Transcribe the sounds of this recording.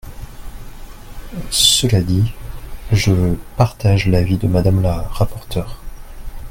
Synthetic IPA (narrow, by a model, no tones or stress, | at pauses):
səlad̪i | ʒəpaʁt̪aʒlavid̪əmad̪amlaʁapɔʁt̪ʰœːʁ